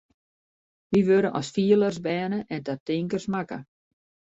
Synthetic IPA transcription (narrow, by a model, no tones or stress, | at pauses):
ʋiʋøɾənʔɔ̰sfiələrsbɛːnəʔɛntatɪŋkərsmakə̰